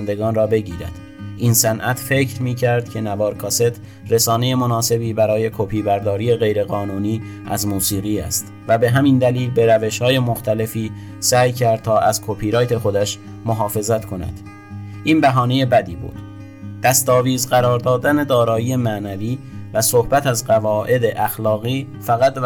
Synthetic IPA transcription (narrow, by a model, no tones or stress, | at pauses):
nd̪e̞ɡɒːnrɒːbe̞ɟiːɾæ̰d̪̥ | ʔinsænʔæt̪ʰfe̞ːcʰɾmiːcʰæɾd̪̚cʰe̞nævɒːɾkʰɒːse̞t̪ʰ | ɾesɒːne̞je̞mo̞nɒːse̞biːbæɾɒːje̞kʰopʰiːbæɾd̪ɒːɾiːe̞ɣe̞jɾe̞ɣɒːnuːniː | æzmuːsiːɣiːæ̰st̪ | væbe̞ɦæmind̪æliːlbe̞ɾæve̞ʃhɒːje̞moxt̪ʰæle̞fiː | sæːjcʰæɾd̪̚t̪ʰɒːʔæzkʰopʰiɾɒːjt̪ʰe̞xo̞d̪æʃ | moɦɒːfe̞zæt̪kʰo̞næ̰d̪̥ | ʔiːnbæɦɒːne̞je̞bæd̪iːbṵːd̪̥ | d̪̥æst̪ɒːviːzɢæɾɒːɾd̪ɒːd̪æne̞d̪ɒːɾɒːjiːjemæːnæviːvæso̞hbæt̪æzɢævɒːʔe̞d̪eʔæxlɒːɣiː | fæɣæt̪